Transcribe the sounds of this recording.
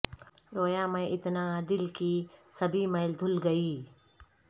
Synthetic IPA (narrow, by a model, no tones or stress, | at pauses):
ɾoːjaːmẽʔɪt̪naːd̪ɪlkisɐbʱimeːld̪ʱʊlɡɐiː